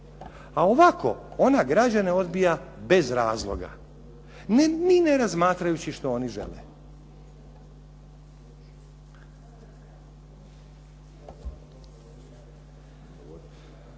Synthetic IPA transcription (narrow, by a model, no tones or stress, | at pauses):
ao̞ʋakʰo̞̰o̞naɡɾad͡ʑane̞o̞d̪bijabe̞zɾaːzlˠo̞̰ɡa̰ | nnine̞ɾazmaːt̪ɾajut͡ɕiʃt̪o̞oniʒḛlḛ